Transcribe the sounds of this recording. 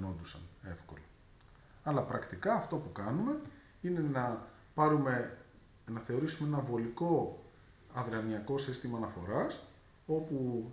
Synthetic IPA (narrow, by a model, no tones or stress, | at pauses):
no̞nd̪usɐ̰ne̞fko̞̰lo | ɐlɐpɾɐkt̪ikɐːft̪o̞pukɐnume̞ | ine̞nɐ | pɐɾume̞ | nɐθe̞o̞ɾisumee̞nɐvo̞liko̞ | ɐðɾeɐniɐko̞sist̪imɐːnɐfo̞ɾɐs | o̞pu